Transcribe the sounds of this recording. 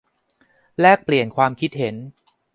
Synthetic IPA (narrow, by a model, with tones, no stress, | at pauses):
lɛː˥˩k̚pli˨˩ənkʰwaː˧mkʰi˦˥t̪̚he˩˦n